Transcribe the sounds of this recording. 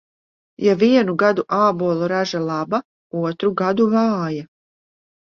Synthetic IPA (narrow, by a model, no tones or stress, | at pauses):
jaʋijenuɡad̪uʔaːboːlˠoɾaʒelaba | uot̪ɾuɡad̪uʋaːje